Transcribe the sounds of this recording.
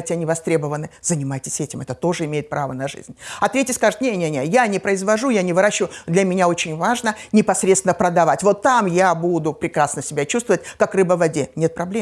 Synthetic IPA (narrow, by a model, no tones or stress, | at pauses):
jtʲɪɐnʲivɐst̪ɾʲe̞bəvənɨzənʲɪmajtʲɪ̥sʲɛtʲɪmɛt̪ət̪o̞ʐɨɪmʲejɪt̪̚pɾavənɐʐɨ̰zʲnʲɐt̪ɾʲetʲjəskaʐɨt̪nʲenʲenʲejanʲɪpɾəɪzvɐʐujanʲɪvɨɾaɕːɪvʊʊd̪lʲɐmʲɪnʲao̞t͡ɕɪnʲvaʐnənʲɪpɐsɾʲet̪st̪ʲɪnəpɾəd̪ɐvatʲvo̞t̪ːamjabud̪ʊpɾʲɪkɾasnəsʲɪbʲat͡ɕust̪vəvət̚ʲkakrɨbəvɐdʲe̞nʲe̞t̪̚pɾɐblʲe